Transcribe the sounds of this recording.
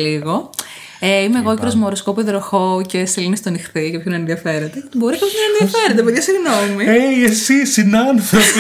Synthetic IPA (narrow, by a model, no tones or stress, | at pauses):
liɣo̞ | eimeɣoceɾozmoɾoskopiðɾoxoce̞silinist̪onixθicepçonɐenðiɐfeɾet̪eet̪ibo̞ɾicɐpçonɐnɐenðiɐfeɾet̪epeðʝɐsiɣnomieesisinɐnθɾop